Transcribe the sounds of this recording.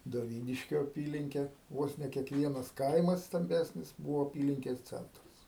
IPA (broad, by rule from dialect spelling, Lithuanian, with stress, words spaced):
doːˈʋʲiːnʲɪʃʲkʲoː ɐˈpʲiːlʲɪŋʲkʲeː ˈʋoːs nʲɛ kʲiɛkˈʋʲiɛnɐs ˈkɐɪmɐs stɐmʲˈbʲæːsʲnʲɪs ˈbuːʋoː ɐˈpʲiːlʲɪŋʲkʲɛs ˈt͡sʲɛntrɐs